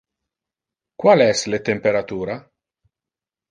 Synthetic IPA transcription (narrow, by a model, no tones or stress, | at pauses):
kwalɛslet̪empeɾat̪uːɾa